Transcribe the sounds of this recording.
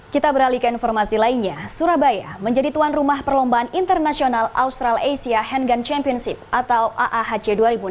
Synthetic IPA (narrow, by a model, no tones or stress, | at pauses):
kit̪abəɾalikəinfɔrmasilainɲasuɾabajaməɲd͡ʒadit̪uanrumahpərlɔmbaanint̪ərnasionala̰ust̪ɾalejsiaɦɛndant͡ʃɛmpiɔnsip̚at̪awaʔaɦat͡ʃɛduaɾibu